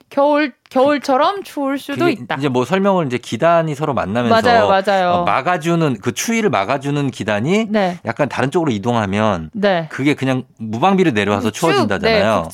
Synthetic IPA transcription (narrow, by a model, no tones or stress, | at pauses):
kjʌuɭkjʌuɭt͡ɕʰʌɾʌmt͡ɕʰouɭs͈udoit͈aind͡ʑe̞mwʌsʰʌɭmjʌŋɯɾind͡ʑe̞kidaɲisʰʌɾoma̰nːamjʌasajoad͡ʑajoma̰ɡad͡ʑunɯnkɯt͡ɕʰuiɾɯɭma̰ɡad͡ʑunɯnkidaɲineja̰k̚k͈antaɾɯnt͡ɕ͈oɡɯɾoidoŋɦamjʌnnekɯɡe̞kɯɲaŋmubaŋbiɾɯɭne̞ɾjoɦassʰʌt͡ɕʰuʌd͡ʑindad͡ʑanajo